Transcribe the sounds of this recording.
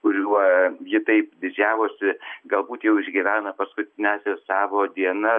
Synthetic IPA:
kʊɾʲuɔjɪt̪ɐɪpd̪ʲɪd͡ʒʲæːʋoːsʲɪɡɐlˠbuːt̪jɛʊɪʒʲɡʲɪʋʲæːnɐpɐskʊt̪ʲɪnʲæːsʲɛssɑːʋoːd̪ʲiɛnɐ

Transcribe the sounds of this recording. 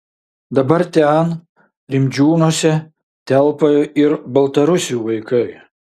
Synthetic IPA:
d̪ɐbɐɾt̪ʲɛn | ɾʲɪmʲd͡ʒʲuːnuɔːsʲɛ | t̪ʲɛlˠpɐjɪɾbɐlˠt̪ɐɾʊsʲɪjuːʋɐɪkɐɪ

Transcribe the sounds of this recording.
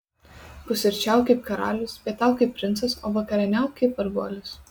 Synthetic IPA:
pʊsʲɪɾʲt͡ʃʲæˑʊkɐɪpkɐɾɑ̰ːlʲʊspʲiɛt̪ʲæˑʊkɐɪp̚ʲːɾʲɪnt̪sɐso̰ːʋɐkɐɾʲɛnʲæˑʊkɐɪpɐɾɡuɔlʲʊs

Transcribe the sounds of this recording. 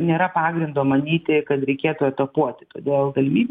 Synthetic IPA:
nʲeːɾɐpɑːɡɾʲɪnd̪oːmɐnʲiːt̪ʲɪkɐt̪ɾʲɛɪkʲeɛt̪ʊɛt̪ɐpuɔt̪ʲɪ̥t̪o̰ːd̪ʲeːlˠɡɐlʲɪmʲiːbʲ

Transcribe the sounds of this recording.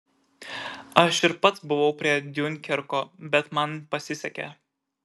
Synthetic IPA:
ɐʃɪɾpɐt̪sbʊʋɒʊpʲɾʲiɛd̪ʲʊnʲkʲɛɾkoːbʲɛt̪mɐnpɐsʲɪsʲɛkʲɛ̰

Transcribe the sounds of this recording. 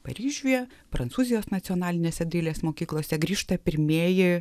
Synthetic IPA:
pɐ̰ɾʲiːʒʲujɛ | pɾɐnt̪uːzʲɪjoːsnɐt̪sʲɪɔnɑːlʲɪnʲeːsʲɛd̪ɐɪlʲeːsmoːkʲiːklˠoːsʲɛɡɾʲiːʃt̪ɐpʲɪɾʲmʲeːjɪ

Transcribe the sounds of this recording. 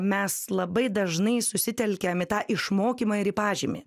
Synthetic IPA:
mʲɛslˠɐbɐɪd̪ɐʒnɐɪsʊsʲɪt̪ʲɛlʲkʲɛmʲɪt̪ɑːʔɪʃmoːkʲiːmɑːɪɾɪpɑːʒʲiːmʲɪ̰

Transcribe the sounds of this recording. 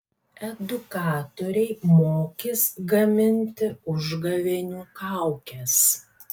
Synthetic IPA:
ɛd̪ʊkɑːt̪oɾʲɛɪmoːkʲɪsɡɐmʲɪnʲt̪ʲɪʊʒɡɐʋʲenʲuːkɑɑˑʊkʲɛs

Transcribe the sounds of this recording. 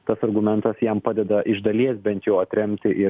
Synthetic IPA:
t̪ɐsɐɾɡʊmʲɛnt̪ɐsjɛmpɑːd̪ʲɛd̪ɐʔɪʒd̪ɐlʲiɛsbʲɛnt̪jɛʊɐt̪ʲɾʲɛmʲt̪ʲɪʔɪ

